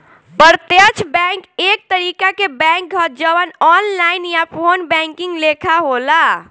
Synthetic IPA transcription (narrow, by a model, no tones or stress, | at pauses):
bəɾt̪jət͡ʃʰbɛ̃ŋkek̚t̪əɾikakebɛ̃ŋk̚ɡʱət̪̚d͡ʒəwənɔnlainjapʰonbɛ̃ŋkiŋɡlekʰaɦola